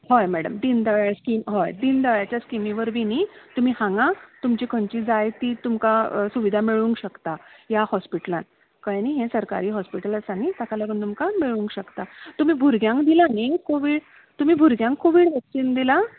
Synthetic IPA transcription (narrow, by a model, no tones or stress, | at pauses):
ɦojmæɽəmd̪ind̪əʋɭjaskiːmɦɔjd̪ind̪əʋɭjat͡ɕjaskimiʋəɾʋinit̪um̤iːhãŋɡãt̪umt͡ɕikʰəɳt͡ɕiːd͡zajt̪iːt̪umkasuʋid̪ʱamiɭũŋkɕəkt̪ajahɔspiʈəlãn | kəjniɦẽsəɾka̰ɾiːɦɔspiʈələsanit̪akʰaləɡənt̪umkamiɭũŋkɕəkt̪at̪um̤iːbʱuɾɡjãŋkd̪ilanekoʋiːɽ | t̪um̤iːbʱuɾɡjãŋkːoʋiɽʋɛksind̪ila